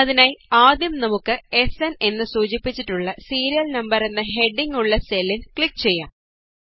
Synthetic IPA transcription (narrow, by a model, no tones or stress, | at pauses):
ɐðinaːjaːd̪jɐmnɐmukːɨe̞sene̞nːɨsuːt͡ɕipːit͡ɕːiʈːuɭːɐsiːɾijɐlnɐmbɐɾe̞nːɐɦe̞ɖːiŋɡuɭːɐselːilkɭikːt͡ɕe̞jːaːm